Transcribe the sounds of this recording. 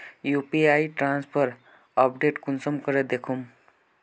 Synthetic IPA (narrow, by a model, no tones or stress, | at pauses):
jupiaiʈɾãnspʰəɾ | əp̚ɖeʈkunsəmkəɾed̪ekʰum